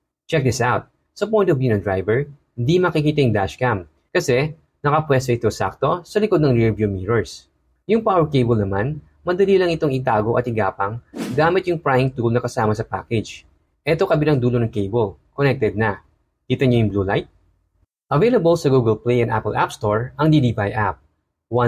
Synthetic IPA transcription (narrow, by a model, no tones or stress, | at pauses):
t͡ʃɛk̚d̪ɪsʔawt̪̚ | sɐpɔjnt̪ovjuːnɐd̪ɹajvɛɹ | ɪd̪imɐkɪkiːt̪ɐjʊŋd̪aʃkam | kɐsɛ | nɐkɐpwɛst̪oʔɪt̪osa̰k̚t̪o̞sɐlɪkod̪nɐŋɹiɹvjumiɹoɹs | jʊŋpawɛɹkejbɐlnɐman | mɐd̪ɐlilɐŋɪt̪o̞ŋɪt̪aːɡo̞ʔɐt̪ɪɡaːpɐŋɡ̪aːmɪt̪̚jʊŋpɹajɪŋt̪ulnɐkɐsaːmɐsɐpa̰ːkɛd͡ʒ | ʔɛt̪o̞kɐbɪlaŋd̪uːlo̞nɐŋkejbolkonɛk̚t̪ɛd̪̚nɐ | kiːt̪ɐɲojʊŋbluːlajt̪̚ | ʔɐvejlɐbɐlsɐɡuɡɛlplejʔɐna̰pɛlʔa̰pst̪o̞ɹʔɐŋd̪id̪ibajʔa̰p̚ | wa